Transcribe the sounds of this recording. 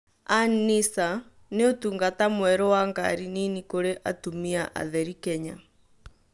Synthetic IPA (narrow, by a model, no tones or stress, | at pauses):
anisa | neotuːŋɡatamwɛɾɔwaŋɡa̰ɾininikoɾeʔatumiaʔa̰ðɛɾikɛɲa